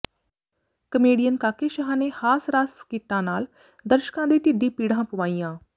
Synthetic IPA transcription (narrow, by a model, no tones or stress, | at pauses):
kəmeːɖijənkaːkeːʃɦãːneːhaːsɾaːskɪʈːãːnaːl | d̪əɾʃkãːd̪iːt̪ɪɖiːpiːɽãːpəʋaːiːãː